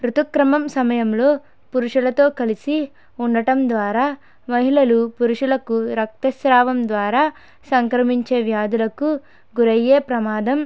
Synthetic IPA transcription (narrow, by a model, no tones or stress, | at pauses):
ɾut̪ukɾɐmɐmsɐmɐjɐmlo̞ː | puɾuʂulɐt̪o̞ːkɐlisi | uɳːɐʈɐmd̪ʋaːɾaː | mɐɦilɐlupuɾuʂulɐkuɾɐk̚t̪ɐsɾaːʋɐmd̪ʋaːɾaː | sɐŋkɾɐmiɲt͡ʃe̞ːʋjaːd̪ulɐku | ɡuɾɐjeːpɾɐmaːd̪ɐm